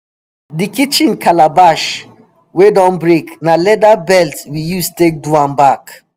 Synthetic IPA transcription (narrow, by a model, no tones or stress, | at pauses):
dikit͡ʃĩnkʰalabaʃ | wedɔ̃nbɹeknalɛdabɛltwijustek̚duãnbak